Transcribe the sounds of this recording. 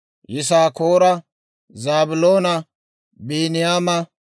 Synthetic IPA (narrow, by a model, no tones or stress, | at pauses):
jɪs̬aːkoːɾɐ | zaːbʊloːnɐ | biːnɪjaːmɐ